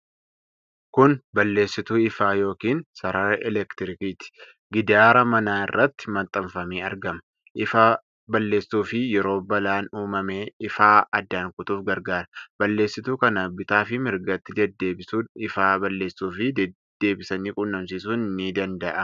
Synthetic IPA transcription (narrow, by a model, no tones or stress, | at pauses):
kʊnbɐlːe̞ːsːɪt̪uːɪfaːjo̞ːkiːnsɐɾɐɾɛlɛkt̪ɪɾɪkiːt̪ɪ̥ | ɡɪd̪aːɾɐmɐnaːɪrːɐt̪ːɪ̥mɐnt̪ʼɐmfɐmiːɐ̰ɾɡɐmɐ | ʔɪfa | bɐlːe̞ːstuːfɪjɛɾo̞ːbɐlaːnuːmɐme̞ːɪfaːɐd̪ːaːŋkʊt̪uːfɡɐɾɡaːɾɐbɐlːe̞ːsːɪt̪uːkɐnɐbɪt̪aːfɪmɪɾɡɐt̪ːɪd̪ɛd̪ːeːbɪuɪfaːbɐlːe̞ːsuːfɪd̪̥ːe̞ːbɪsɐniːkʼʊnːɐmsiːsuːnɪnːid̪ɐnd̪ɐʔɐ